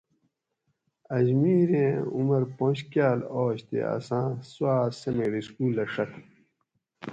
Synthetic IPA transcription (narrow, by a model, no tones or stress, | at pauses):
ɐd͡ʑmiːɾẽːumɐɾpõːɕkjaːloːɕt̪ḛɐ̰sãːswaːsɐmeɾiskuːlːɐʂɐt̪ʰ